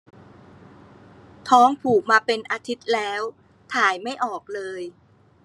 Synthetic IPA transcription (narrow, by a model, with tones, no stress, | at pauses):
t̪ʰɔː˦˥ŋpʰuː˨˩k̚maː˧pe˧nʔaː˧t̪ʰi˦˥t̪̚lɛː˦˥w | t̪ʰaː˨˩jma˥˩jʔɔː˨˩k̚lɤː˧j